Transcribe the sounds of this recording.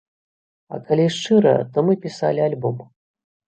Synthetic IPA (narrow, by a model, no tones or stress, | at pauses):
ɐ̰kalʲiʂt͡ʂɨɾɐ̰t̪ɔmɨpʲisa̰lʲialʲbɔm